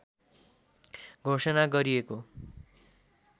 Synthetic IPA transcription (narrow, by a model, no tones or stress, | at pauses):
ɡʱosʌnaɡʌɾieko